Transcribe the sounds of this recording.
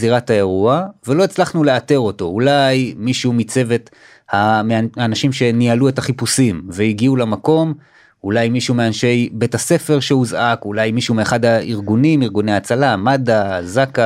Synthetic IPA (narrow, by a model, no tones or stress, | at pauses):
ziʁataeʁuave̞lo̞et͡slaχnule̞ate̞ʁo̞to̞ulajmiʃumit͡se̞ve̞t | hamanaʃimʃe̞nialue̞taχipusimveiɡiulamako̞m | ulajmiʃuumeanʃe̞jbe̞tase̞fe̞ʁʃeuzʔakulajmiʃuumeːχadaiʁɡunimiʁɡune̞jat͡salamadazaka